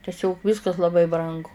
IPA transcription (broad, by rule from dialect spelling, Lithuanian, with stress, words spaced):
tʲɛˈsʲoːk ˈʋʲɪskɐs lˠɐˈbɐɪ ˈbrɐŋɡʊ